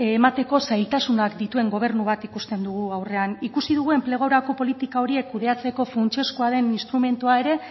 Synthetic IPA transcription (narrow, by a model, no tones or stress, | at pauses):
mat̪e̞ko̞sajlt̪asunakd̪it̪ue̞ŋɡo̞β̞e̞ɾnuβat̪ikust̪e̞nd̪uɣ̞uawre̞anikusið̞uɣ̞ue̞mple̞ɣ̞owɾako̞po̞lit̪ikao̞ɾie̞kːuð̞e̞at͡se̞ko̞fɾunt͡ʃe̞skoaðe̞ninst̪ɾume̞nt̪uae̞ɾe̞